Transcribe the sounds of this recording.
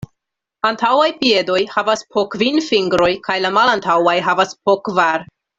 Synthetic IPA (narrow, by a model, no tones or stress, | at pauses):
antʰawajpie̞do̞jhavaspʰokvinfiŋɡɾo̞jkajlamalantʰawajɦavasp̚okvaɾ